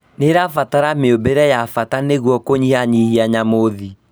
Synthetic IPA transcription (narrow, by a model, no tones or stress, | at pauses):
neɾafataɾameobeɾɛjafataneɣwɔkoɲiaɲihiaɲamoði